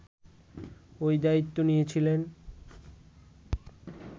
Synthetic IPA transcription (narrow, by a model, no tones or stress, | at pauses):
ojd̪ait̪ːonijet͡ɕʰilen